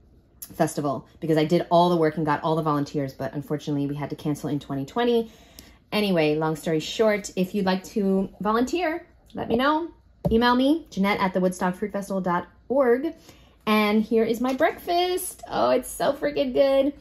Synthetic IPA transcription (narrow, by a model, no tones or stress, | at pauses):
fɛstəvl̩ˠb̥ɨkʌzaɪdɨɾɔlˠðəwɜ˞kɨ̃n̩ɡɑɾʔɔlˠðəvɑlˠə̃ntʰɪɹzb̥ʌɾə̰̃ɱfɔɹt͡ʃɨnətˡliwiɨd̚tɨkʰæ̃nsl̩ˠɨ̃ntʰw̥ɛ̃ɾ̃itʰw̥ɛ̃ɾ̃i | ʔɛɾ̃iweɪlɔ̃ŋstɔɹi̥ʃɔɹɾɪfjɨdˡlaɪk̚tʰɨvɑlˠə̃ntʰɪɹ | lɛ̰t̚minoʊ | imeɪlˠmi̥d͡ʒɨnɛɾʔɨ̰t̪̚ðəwʊd̥stɑɡ̥fɹʉtfɛstəvl̩ˠdɑɾ | ɔɹɡ | ɨ̃nhiɹɪzmaɪbɹɛkfɨstʰo̰ʊɨtsoʊfɹɨɡɛd̚ɡɪd̥